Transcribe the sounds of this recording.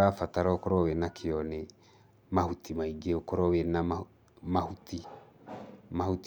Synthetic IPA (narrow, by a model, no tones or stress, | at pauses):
afataɾɔkoɾɔwɛnakʰeɔne | mahutimaiɡeokoɾɔwɛna | mahuti | mahut